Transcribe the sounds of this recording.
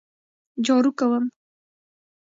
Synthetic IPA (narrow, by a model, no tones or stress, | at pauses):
d͡ʒoːɾukawəm